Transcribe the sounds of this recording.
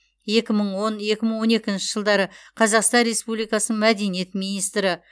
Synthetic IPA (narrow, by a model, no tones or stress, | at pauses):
je̞kʲɪməɴwonje̞kʲɪməɴwo̞ne̞kʲɪnʃɪʒ̥əlˠd̪ɑɾəqʰɑzɑqst̪ɑnɾe̞spublijkɑsənəɴmæd̪e̞nije̞t̪mijnijst̪ɾɪ